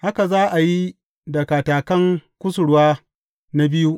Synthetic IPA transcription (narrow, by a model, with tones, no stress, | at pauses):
ha˦ka˨zaː˦ʔa˨ji˦ | dɐ˨kaː˨taː˨kɐ˦ŋkʷʊ˦s̬ʊ˨ɽwaː˦ | na˦bɪ˦ju˦ʔ